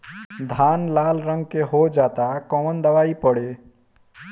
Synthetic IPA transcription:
d̪ʱaːnlaːlɾə̃ŋɡ̚keɦod͡ʒaːt̪akɔmənd̪əʋaːipəɽeː

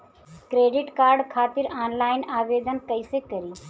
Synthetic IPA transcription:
kɾeɖiʈkaːɾɖkʰaːt̪iɾaːnlaːɪnaːʋed̪ənkəɪsekəɾi

